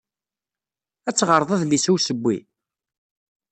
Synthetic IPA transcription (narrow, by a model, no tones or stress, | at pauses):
æt͡sːʁəɾˤðˤæðlisuwsəbʷːḭ